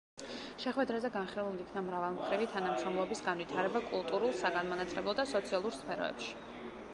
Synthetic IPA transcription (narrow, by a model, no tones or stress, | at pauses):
ʃɛχwɛd̪ɾazɛɡanχilˠulˠiikʰnamɾavalˠmχɾivit̪ʰanamʃɾɔmlˠɔbisɡanvit̪ʰaɾɛbakʼulˠt̪ʼuɾulˠsaɡanmanat̪sʼlɛblˠɔd̪asɔt̪sʰialˠuɾspʰɛɾɔ̰ɛ̰pʃi̥